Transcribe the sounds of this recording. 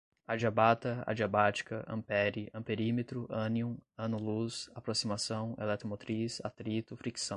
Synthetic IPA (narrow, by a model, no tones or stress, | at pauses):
ad͡ʒiabat̪ɐa̰d͡ʒiabat͡ʃi̥kɐʔɐ̰̃pɛɾiʔɐ̃peɾimet̪ɾʊʔɐ̃niũɐ̃nʊlusapɾosimasɐ̃w̃ḛlɛt̪omot̪ɾisa̰t̪ɾit̪ʊfɾiksɐ̃w̃